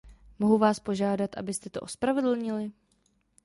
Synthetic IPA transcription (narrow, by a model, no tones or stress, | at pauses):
mo̞ɦuvaːspo̞ʒaːdat̪ʔa̰bɪst̪ɛt̪oʔospɾavɛdl̩ɲɪlɪ